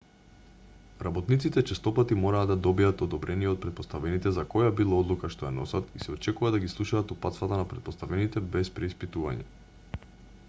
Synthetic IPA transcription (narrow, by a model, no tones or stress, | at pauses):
ɾabɔt̪nit̪sit̪ɛt͡ʃɛst̪ɔpat̪imɔɾaːd̪ad̪ɔbijat̪ɔd̪ɔbɾɛnijɛɔt̪̚pɾɛt̪̚pɔst̪avɛnit̪ɛzakɔjabilˠaɔd̪lˠukaʃt̪ojanɔsat̪isɛɔt͡ʃɛkuvad̪aɡislˠuʃaaːt̪upat̪t̪vat̪anapɾɛt̪̚pɔst̪avɛnit̪ɛbɛspɾɛispit̪uva̰ɲɛ̰